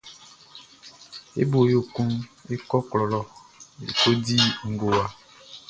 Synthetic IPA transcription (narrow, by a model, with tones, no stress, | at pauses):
ḛ˦bo˨jo˨kũ˦ne˦kɔ˦klɔ˨lɔ˨ḛ˨ko˦di˦ŋ̩˨ɡo˨wa˨